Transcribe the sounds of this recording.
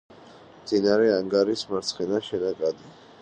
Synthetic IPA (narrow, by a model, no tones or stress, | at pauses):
md̪z̥inaɾɛaŋɡaɾismaɾt̪sʰχɛnaʃɛnakʼad̪i